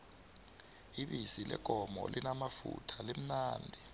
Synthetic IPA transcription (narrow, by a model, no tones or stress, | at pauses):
iɓisilʔɛ̰ɡ̥ʱɔmɔ̰lʔinamafṵtʰalem̩naːndʱi